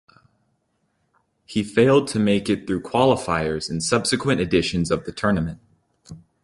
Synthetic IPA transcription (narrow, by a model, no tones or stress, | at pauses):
hifeɪlˠd̚tʰɨmeɪkɨt̪̚θɹʉkʰw̥ɑlˠəfaɪə˞z̥ɨ̃n̩sʌb̥sɨkʰwɨ̃ñɨdɪʃɨ̃nzʌvðɨtʰɜ˞nɨmɨ̃nt̚